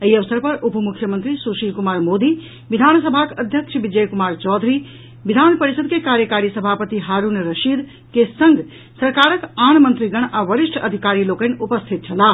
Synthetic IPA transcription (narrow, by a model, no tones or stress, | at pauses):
eiəʋəsəɾpəɾupmukʰːjəmənt̪ɾisuʃikumaɾmod̪i | ʋid̪ʱansəbʱakəd̪ʱjəkt͡ʃʰəbid͡ʒəjkumaɾt͡ʃɔd̪ʱɾi | bid̪ʱanpəɾisəd̪̚kekaɾjəkaɾisəbʱapət̪iɦaɾunɾəʃid̪ | kesəŋɡʱ | səɾkaɾəkanmənt̪ɾiɡəɳ̃aʋəɾiʃʈʰəd̪ʱikaɾilokənupəst̪ʰit̪̚t͡ʃʰəla